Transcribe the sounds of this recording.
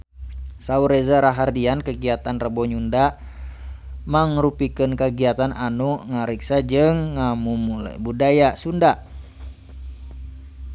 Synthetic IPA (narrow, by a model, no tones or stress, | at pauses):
sauɾɛzaɾaɦardiankəɡiat̪anrəbɔɲunda | maŋɾupikənkəɡiat̪anʔanuŋaɾiksad͡ʒɨŋːamumula̰budajasunda